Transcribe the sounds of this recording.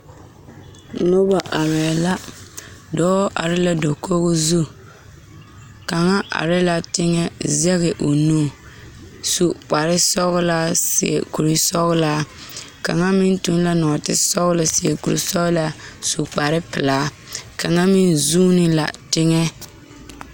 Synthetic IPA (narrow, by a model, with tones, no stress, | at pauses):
nʊ˦ba˨ʔa˨ɾɛː˨la˦ | dɔː˦ʔa̰˨ɾɪ˦la˦do˨koː˦ɣʊ˦zu˦ | ka˨ŋa˦ʔa̰˨ɾɪ˦la˨tɪ˦ŋɛ˦zɛ˦ɣɪ˨ʔo˨nuː˦ | su˨k͡pa˨ɾɪ˦sɔ˦ɣʊ˦la˦sɪ̰˨ɛ̰˨ku˨ɾi˦sɔ˦ɣʊ˦la˦ | ka̰˨ŋa˦mɪ˦ntu˦n˦la˦nɔ˨a˨tɪ˦sɔ˦ɣʊ˦lɪ˨sɪ˨ɛ˨ku˨ɾḭ˨sɔ˦ɣla˦su˨k͡pa˨ɾɪ˦pɪ˨laː˨˦ | ka˨ŋa˦mɪ˦nzuː˦nɪ˦la̰˨tɪ˦ŋɛ˦